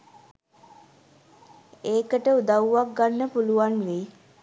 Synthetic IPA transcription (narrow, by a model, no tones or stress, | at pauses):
eːkəʈəud̪aʋuʋak̚ɡanːəpuluʋanʋi